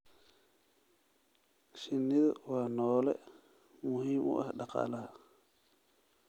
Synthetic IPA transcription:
ʃɪnːɪðɐwaːnɔːlɛ̰ | mʊhiːmʔʊ̰ʔɐhɗɑqɑ̰ːla

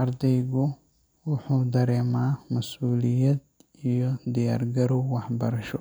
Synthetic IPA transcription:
ʔɐɾd̪ɛjɣʊ | wʊħuːd̪ɐɾɛːmaːmɐsuːlɪjɐd̪̚ | ijɔd̪ɪja̰ːrɡɐɾɔwɑħbɐɾɐʃɔ

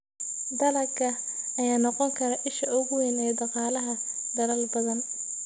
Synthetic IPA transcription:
d̪ɐlɐkʰɐ | ɐjaːnɔqɔŋkʰɐɾɐʔɪʃɐʔʊɣʊwɪnɛːd̪ɑqɑːlɐɦɐ | d̪ɐlɐlbɐðɐn

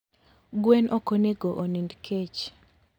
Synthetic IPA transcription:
ɡwenʔokoneɡoʔonindkʰet͡ʃ

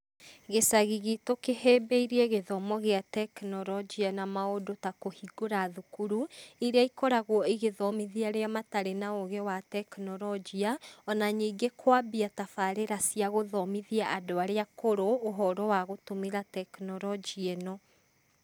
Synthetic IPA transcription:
ɣesaɣiɣitokehɛbɛiɾiɛɣeðɔmɔɣeatɛknɔɾɔd͡ʒianamaodotakohiɡoɾaðukuɾuiɾeaikɔɾaɣwɔiɣeðɔmiðiaɾeamataɾenaoɣɛwatɛknɔɾɔd͡ʒiaɔnaɲiːɡekʰwabiatafaɾeɾasiaɣoðɔmiðiaʔadoaɾeakoɾoːɦɔɾɔwaɣotomeɾatɛknɔɾɔd͡ʒiɛnɔ

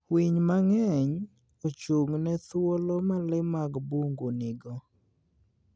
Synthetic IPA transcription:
wiɲmaŋɛɲ | ot͡ʃuŋnɛt̪wolomalɪmaɡbuŋɡonɪɡɔ

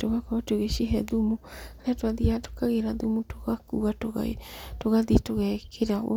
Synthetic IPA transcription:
toɣakɔβatoɣeʃeɦɛðumuaɾatoaðiato̥kaɣeɾaðumutoɣakuɣatoɣa̰toɣaðitoɣɛkʰeɾao

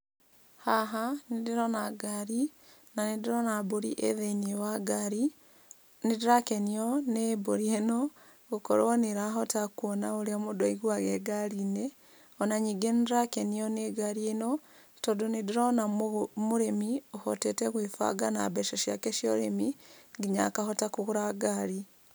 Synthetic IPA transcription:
haɦanedeɾɔnaɡaɾi | nanedeɾɔnaboɾḭʔḛðeinewaɡaɾi | nedɾakɛniɔneboɾienɔ | ɣokɔ̰ɾɔneɾaɦɔtakwɔnaoɾeamodɔiɣwaɣɛɡaɾinɛ | ɔnaɲiːɡendɾakɛniɔneɡaɾienɔ | tɔdonediɾɔnammoɾemiohɔtɛtɛɣwefa̰ɡana̰bɛʃɔʃja̰kɛʃiɔɾemiŋɡiɲa̰kahɔtakoɣoɾaɡaɾi

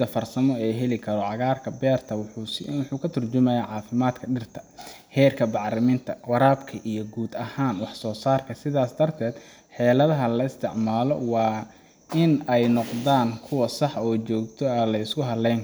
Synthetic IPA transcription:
d̪ɐfɐrsɐmɔɛːɦɛlɪkʰɐɾɔʕɑɣaːrkʰɐbɛːrt̪ʰɐwwʊħuːkʰɐt̪ʰʊrt͡ʃʊmɛjaːʕɑːfɪmaːd̪kʰɐɖɪrt̪ʰɐ̥ | hɛːrkʰɐbɑʕrɐmɪnt̪ʰɐwɑɾaːbkʰɐʔijɞɡuːd̪ɐhaːnwɑħsɔːsaːrkʰɐsɪðaːsd̪ɐrt̪ʰɛːd̪ | ħɛːlɐðɐɦɐlɐɪst̪ʰɪʕmaːlɔ̰wɑː | ɪnɛjnɔqdaːŋkʰʊwɐsɑħɔːt͡ʃɔːɡt̪ʰɔɛlɐɪskʊɦɐdlɛjn

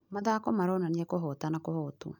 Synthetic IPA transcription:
maðakɔmaɾɔnaniɛkoɦɔtanakohɔtṵ

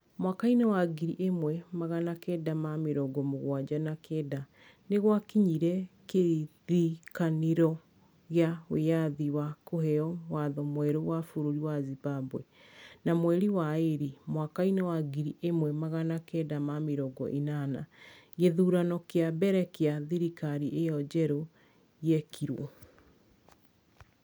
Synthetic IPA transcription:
mwakainewaɡiɾiʔemwɛmaɣanakɛdamameɾɔɡɔmoɣwad͡ʑanakʰɛːda | neɣwakiɲiɾɛkeðikaneɾɔ | ɣeaweaðiwakohɛɔwaðɔmwɛɾowafoɾoɾiwazibabwɛ̰ | namwɛɾiwaeɾimwakainawaɡiɾiʔemwɛmaɣanakɛdamameɾɔɡɔ̰ʔinana̰ɣeðuːɾanɔkeabɛɾɛkeaðiɾikaɾiʔejɔd͡ʑɛɾo | jɛkʰiɾwɔ̰

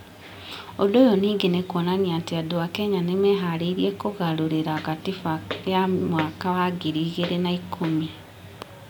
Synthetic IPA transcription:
odojoniːɡenekwɔnaniateadoakɛɲanemeɦaɾeiɾjekoɣaɾoɾeɾaɣatifajamwakawaɡiɾiːɣeɾenaikʰomia

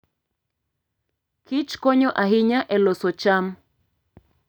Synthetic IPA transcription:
kɪt͡ʃkɔɲɔʔaɦɪɲaʔɛlosɔt͡ʃam

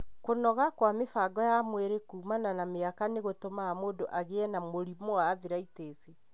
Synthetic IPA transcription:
konɔɣakwamefaɡɔjamweɾekuːmananameakaneɣotomaamoːdoʔaɣeɛnamoɾimoaːðiɾaiteːse

